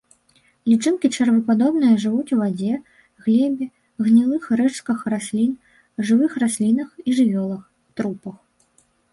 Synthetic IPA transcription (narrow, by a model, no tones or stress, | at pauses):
lʲit͡ʂɨnkʲit͡ʂɐrvɨpad̪ɔbnɨjɐʐɨvut͡sʲwvad͡zʲɛ | ɣlʲɛbʲi | ɣnʲilˠɨxrɛt͡ʂkɐxrasʲlʲin | ʐɨvɨxrasʲlʲinɐxiʐɨvʲɔlˠɐx | t̪ɾupɐx